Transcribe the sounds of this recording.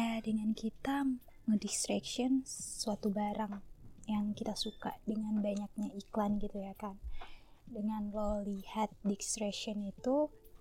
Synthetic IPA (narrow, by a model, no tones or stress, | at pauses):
adəŋankit̪a | mədikst̪ɾɛkʃiɔnssuat̪ubaɾaŋjaŋkit̪asuka̰ʔdəŋanbaɲak̚ɲaiklanɡit̪ujakan | dəŋanlɔlihat̪̚dikst̪ɾɛkʃiɔnit̪u